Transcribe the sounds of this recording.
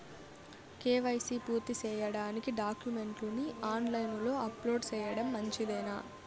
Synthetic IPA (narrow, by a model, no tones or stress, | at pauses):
keːʋɐjsiːpuːɾt̪it͡ʃɛːjɐɽaːnikiɖaːkjume̞ɳʈluniaːnlɐjnlo̞ːɐplo̞ːɖt͡ʃɛːjɐɽɐmːɐɲt͡ʃid̪ɛːnaː